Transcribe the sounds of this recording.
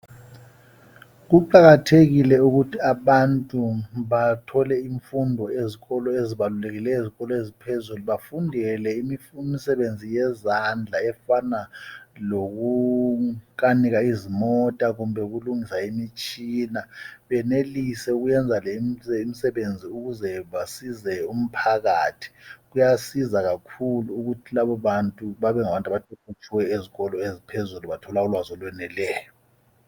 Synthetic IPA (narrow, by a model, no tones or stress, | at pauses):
ɣuǃaɣatʰeɣilɛuɣutʰiaɓantʼuβatʰɔlɛiɱfundʱɔeziɣɔlɔeziβaluleɣilɛjoziɣɔlɔezipʰezuluβafundʱɛlɛimimisɛβend͡zʱijɛzand͡ɮʱaɛfanaloɣu | kaniɣaizimɔtʼaɣumbʱɛuɣuluŋisaimit͡ʃʼinaβɛnelisɛuɣujɛnd͡zʱalɛmɛim̩sɛβend͡zʱiuɣuzɛβasizɛum̩pʰaɣaːtʰi̥ɣujasizaɣakʰuluːɣutʰilaβɔβantʼuβaβɛŋaβantʼaβatʰukʰut͡ʃʰʼiwɛeziɣɔlɔezipʰezuluβatʰɔlaulwazɔlwɛnɛlɛːjɔ